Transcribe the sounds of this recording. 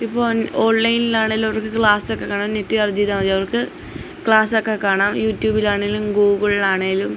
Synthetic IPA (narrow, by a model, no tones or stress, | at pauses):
ipːoːo̞ːnlɐjnilaːɳeɡilumɐʋɐrkɨkɭaːsokːe̞kːaːɳaːmnetːiɐrd͡ʑiːðaɐɐʋɐrkɨ | kɭaːsokːekaːɳaːmjuːtjuːbilaːɳeɡilumɡuːɡɐɭilaːɳeɡilum